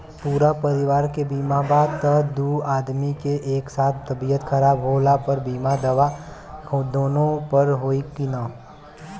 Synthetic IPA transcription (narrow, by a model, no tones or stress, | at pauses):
puːɾapəɾɪʋaːɾkebiːmabaːt̪ɐd̪uːaːd̪mikeʔeːksaːt̪ʰt̪ɐbijət̪kʰəɾaːbɦoːlapəɾbiːmad̪əʋa | d̪oːnõpəɾɦoːikinaː